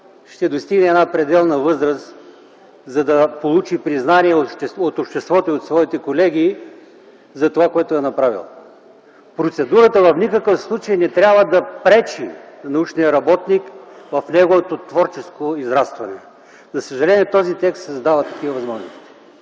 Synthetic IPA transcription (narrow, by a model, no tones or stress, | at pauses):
ʃt̪ɛd̪ost̪iɡnɛɛd̪napɾɛd̪ɛlˠnɐvɤzɾəs | zɐd̪ɐpolˠut͡ʃipɾiznaniɛoɛot̪opʃt̪ɛst̪vɔt̪oiot̪svɔit̪ɛkolɛɡʲi | zɐt̪ovakoɛt̪oɛnɐpɾavḭlˠ | pɾot̪sɛd̪uɾət̪əvɐfnikəkəfslˠut͡ʃejnɛt̪ɾʲabvəd̪ɐpɾɛt͡ʃinɐut͡ʃnijəɾɐbɔt̪nikvɐfnɛɡovot̪ot̪vɔɾt͡ʃɛskoizɾast̪vɐnɛ | zɐsəʒɐlɛnʲiɛt̪ɔzit̪ɛkst̪səzd̪avət̪ːɐkʲivəvɐzmɔʒno̰st̪i̥